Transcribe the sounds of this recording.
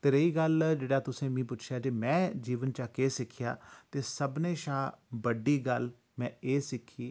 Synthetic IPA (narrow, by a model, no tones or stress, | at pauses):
t̪eːɾeiːɡəld͡ʒeːɽaːt̪ʊsẽːmĩːp̬ʊt͡ʃʰjaːd͡ʒemɛ̃ːd͡ʒiːʋənt͡ʃaːkeːsɪkʰːja̰ːt̪eːsəbneːʃaːbəɖiːɡəl | mɛ̃ːeːsɪkʰːiː